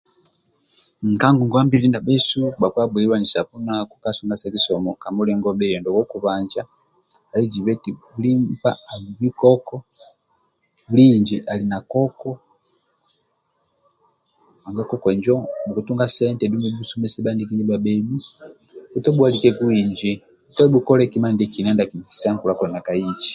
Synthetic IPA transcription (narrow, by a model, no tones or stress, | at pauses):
ŋ̩kaŋɡuŋɡɔambilinabɛsubakwabwɛliwand͡ʒisapunakukasuŋɡasakisɔmɔkamulɛŋɡɔbɛjɔndɔwɔkuβand͡ʒa | alid͡ʒiβɛtiulimpaaiβikɔkɔ | uliɲd͡ʒiʔalinakɔkɔ | aŋɡakɔkɔɲd͡ʒɔmuɡutuŋɡasɛntɛdumɛbusumɛsɛbandikiɲibabɛbu | utɔbualikɛkuiɲd͡ʒi | utɔbukɔlɛkimandikinandakini̥saŋkulakɔnakait͡ʃi̥